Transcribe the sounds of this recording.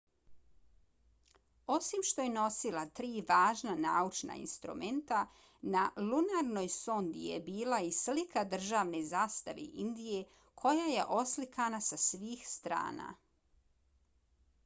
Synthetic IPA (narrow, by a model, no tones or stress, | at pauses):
o̞simʃt̪o̞jeno̞silˠat̪ɾiːʋaːʒnanaːut͡ʃna̰ḭnst̪ɾṵme̞nt̪a | nalunaɾno̞jsond̪ḭjḛbiːlaislikʰad̪r̩ʒaːʋne̞zaːst̪aʋḛʔind̪ije̞ | kʰo̞jaje̞ʔo̞slikanasasʋiːxst̪ɾa̰ːna̰